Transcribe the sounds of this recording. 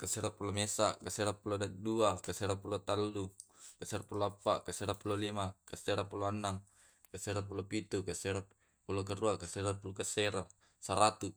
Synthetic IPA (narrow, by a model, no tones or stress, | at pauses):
kaseɾapulomesakaseɾapuloaduakaseɾapulot̪alːukaseɾapuloapːaʔkaseɾapulolimakaseɾapuloanːaŋ | kaseɾapulopit̪ukaseɾa | pulokaruakaseɾapulokaseɾa | saɾat̪u